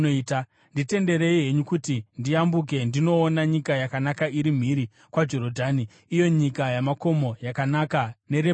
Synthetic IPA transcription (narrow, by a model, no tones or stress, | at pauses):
oiːta | ndite̞nde̞ɾe̞iɦe̞ɲukutindiambuk̬e̞ndino̞ːnaɲikajakanakaiɾim̤iɾi | kwad͡ʒo̞ɾo̞dʱaniː | jo̞ɲikajamako̞mo̞jakanakane̞ɾe